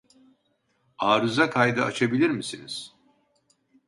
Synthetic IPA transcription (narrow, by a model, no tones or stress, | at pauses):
aːɾɯzakʰajd̪ɯat͡ʃʰabilʲiɾmisiniz̥